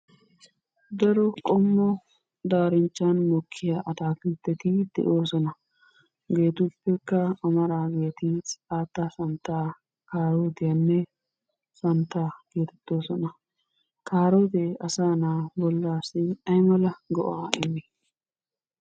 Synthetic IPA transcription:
d̪ɐɾɔkʼɔmːɔ | d̪aːɾɪnt͡ʃːanmɔkʰːɪjaʔɐd̪aːkiːt̪ːɛt̪ɪd̪̥ɛ̰ʔo̞ːsɔnɐ | ɡe̞ːt̪ʊpːɛkːɐɐmɐɾaːɡe̞ːt̪ɪsaːt̪ːaːsɐnt̪ːaː | kaːɾoːd̪ɪjɐnːɛ | sɐnt̪ːaːɡ̥e̞ːt̪ɛ̥t̪ːo̞ːsɔnɐ | kaːɾoːd̪eɐsaːnaːbɔlːaːsɪɐjmɐlɐɡɔʔaːɛmːɪ

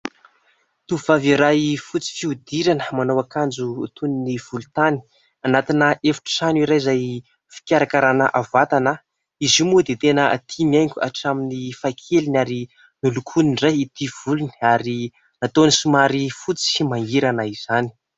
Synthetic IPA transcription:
t̪uvaviɾajfut͡si̥fiud̪iɾanə̥manowakand͡ʒṵːt̪uniniv̥ulut̪ani̥ | anat̪inəʔefu̥ʈ͡ʂə̥sanuiɾajzaj | fi̥kʲaɾakaɾana̰ʔavat̪anə | izimud̪et̪enət̪ʰimiajŋkʲua̰ʈ͡ʂaminifakʰelinaɾi | nilukʰuniɳrajit̪iv̥ulunaɾi | nat̪onisumaɾifut͡si̥maiɾanaiz̥ani̥

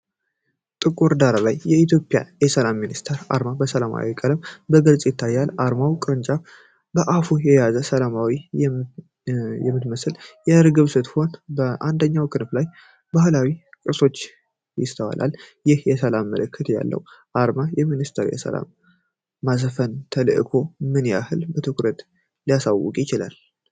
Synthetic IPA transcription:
t̪ʼɨkʼuɾd̪aɾalajːɛit̪ʰjo̞pʼja̰jɛsəlamːinist̪ʰəɾa̰ɾmabəsəlama̰wikʼələmbəɡɨlsʼjɪt̪ʰːajːalʔaɾmawkʼɨɾɨnt͡ʃʼaf | bəʔafujɛjazəsəlamawi | jɛmːɨt̪məsɨljɛɾɡɨβsɨt̪ho̞nbəʔand̪əɲːawkʰɨnflaj | bahlawikʼɨso̞t͡ʃː | jɪst̪ʰəwa̰lʔa̰ljɪhjɛsəlamːə̰ləkʰːɨt̪ʰja̰lːə̰wʔaɾmajɛminist̪ʰəɾjɛ̰sə̰la̰mː | azfənt̪ʰəlɨ̰ʔɨkʰo̞mɨnja̰hɨlbət̪ʰɨkʰɾət̪ | lijasawːʊ̰kʼjɪt͡ʃɪla̰l

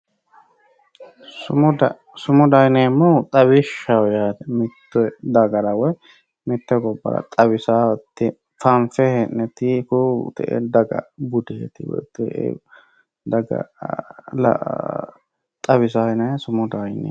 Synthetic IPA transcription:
sʊm | sʊmʊd̪ɐjneːmːɔt̪ʼɐβɪʃːɐwjaːd̪ɛmɪt̪ːɛd̪ɐɡɐɾɐwɔj | mɪt̪ːɛɡɔbːɐ̰ɾɐ̰t̪ʼɐβɪsaːɔt̪ːɪ | fɐnfɛhɛnːɛt̪ɪkʊt̪ɛ̰ʔɛ̰d̪ɐɡɐ̰bʊd̪eːt̪ɪwɔ̰t̪ːɛḛ | d̪ɐɡɐ̰ | l̰ | t̪ʼɐβɪsaːhɪnɐsʊmʊd̪ɐjnḛ

